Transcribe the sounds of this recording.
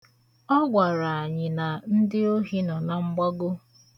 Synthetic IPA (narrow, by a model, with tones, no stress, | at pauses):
ɔ˦ɡʷa˨ɾa˨a˨ɲɪ˨na˨n̩˦dɪ˦o˦ɦi˦nɔ˨na˨ŋ͡m̩˦ɡ͡bɔ˦ɡʊ˦